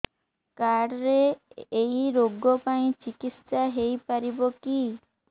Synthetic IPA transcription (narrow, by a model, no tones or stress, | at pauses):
kaɽɾeː | jɾoɡɔpaĩt͡ʃikitsaɦejpaɾibɔki